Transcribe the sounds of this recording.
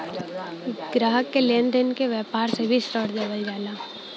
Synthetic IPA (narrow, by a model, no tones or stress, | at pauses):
ɡ̥ɾaːɦəkːeleːnd̪ənkeʋjɛːpaːɾsebʱisʈɔːʈd͡ʒəʋəld͡ʒaːlaː